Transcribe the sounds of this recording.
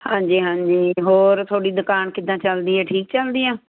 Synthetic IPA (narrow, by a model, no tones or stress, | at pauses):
hãːd͡ʒiːɦãːɲd͡ʒiːɦoːɾt̪ʰoːɽiːd̪ʊkaːnkɪd̪ãːt͡ʃəld̪iːɛːʈʰiːkt͡ʃəld̪iːãː